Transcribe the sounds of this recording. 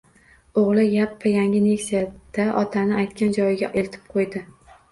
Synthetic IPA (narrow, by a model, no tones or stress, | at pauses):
oʁlˠɪjapːajaŋʲɪne̞kʲsijad̪̥aʔɒt̪ʰanɪajt̪̚kʲʰand͡ʒɒjɪɡʲaʔelt̪ʰɪ̥p̚qʰojd̪ɪ